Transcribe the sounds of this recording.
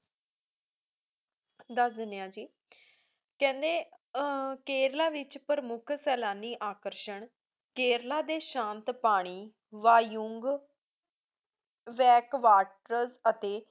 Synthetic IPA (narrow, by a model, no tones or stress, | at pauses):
d̪əsd̪ɪnjãːd͡ʒiː | kɛ̃ːnd̪eː | keːɾlaːʋɪt͡ʃpəɾəmʊkʰsɛːlaːniːʔaːkəɾʃəɳ | keːɾlaːd̪eːʃãːnt̪paːɽ̃iː | ʋaːjʊŋɡ | ʋɛːkʋaːʈɾəɾzət̪eː